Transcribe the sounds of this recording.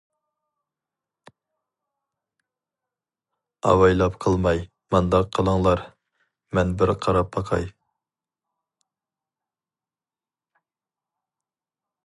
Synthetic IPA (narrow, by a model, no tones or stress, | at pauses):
ɑ̰wɑjlˠɑpqʰəlˠmɑj | mɑnd̪ɑqqʰːəlˠəŋlˠɑɾ | mɛnbɪɾqʰɑɾɑp̚bɑqʰɑ̰j